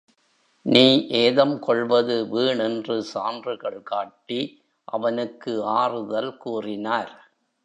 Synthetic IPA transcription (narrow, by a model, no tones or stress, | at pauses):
niːʔeːðɐmkɔɭʋɐðɯʋiːɳɛndrɯsaːndrɯɣɐɭkaːʈːi | ʔɐʋɐnɯkːɯaːrɯðɐlkuːrɪnaːɾ